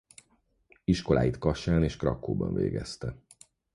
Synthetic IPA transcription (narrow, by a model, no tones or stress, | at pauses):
iʃko̞laːjit̪kɒʃaːneːʃkrɒkːoːbɒ̰nveːɡɛst̪ɛ